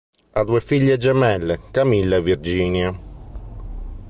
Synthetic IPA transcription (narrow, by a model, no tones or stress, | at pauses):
ad̪uːefiʎːed͡ʒɛmɛlːekamilːavird͡ʒiːnja